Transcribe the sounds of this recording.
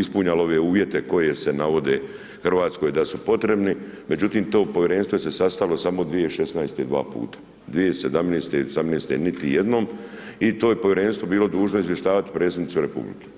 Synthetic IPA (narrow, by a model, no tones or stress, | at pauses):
ispuɲaloʋeuːʋje̞t̪e̞ko̞jese̞naʋo̞d̪e | xr̩ʋaːt̪sko̞jd̪asupo̞t̪ɾe̞bnime̞d͡ʑut̪iːmt̪o̞ːpo̞ʋjeɾe̞nst̪ʋo̞jse̞sast̪aʋilo̞samo̞d̪ʋijeʃe̞snajst̪ed̪ʋa̰ːpṵːt̪ḁ | d̪ʋijesed̪amneːst̪eiosamneːst̪enit̪ijed̪no̞ːmit̪oːjepo̞ʋjɾe̞ːnst̪ʋo̞biːlo̞d̪uːʒno̞izʋjeʃt̪aːʋat̪i̥pɾe̞ːt̪sd̪nit̪suɾepṵblḭke̥ː